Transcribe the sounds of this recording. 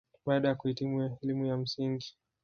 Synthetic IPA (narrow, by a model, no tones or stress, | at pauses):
ɓaːɗajakuhitimuɛlimujam̩siŋɡi